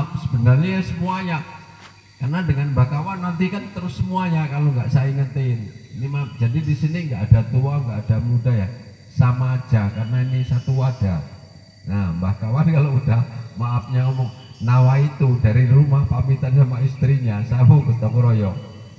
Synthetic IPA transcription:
p̚səbənarɲajasəmuaɲa | karnadəŋanbakawanːant̪ikant̪əɾʊsːəmuaɲakaloŋɡaʔsaiŋənt̪ennimad͡ʒadidisiniŋɡaʔadat̪uaŋɡaʔad̥amudaja | samaːd͡ʒ̥akarnainisat̪uwad̥a | nahmbakawankaloud̥ahmaːp̚ɲaɔmʊŋ | nawait̪udaɾiɾumahpamit̪ansamaist̪ɾiɲasaɦobət̪ɔkɾɔjɔŋ

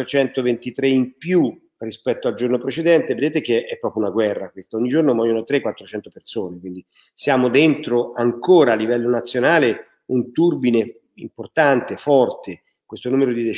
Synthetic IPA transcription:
t͡ʃɛnt̪ovent̪it̪ɾeimpju | rispɛt̪ːoald͡ʒornopɾet͡ʃed̪ɛnt̪eved̪eːt̪ek̟eʔɛpːɾɔːpɾjunaɡwɛrːakwest̪aoɲːid͡ʒornomɔjːonot̪ɾekːwat̪ːɾot͡ʃɛnt̪opersoːnekwind̪i | sjaːmod̪ent̪ɾoaŋkoːɾaːlːivɛlːonat̪sːjonaːle | unt̪urbine | import̪ant̪efɔrt̪ʰe | kwest̪onuːmeɾod̪id̪e

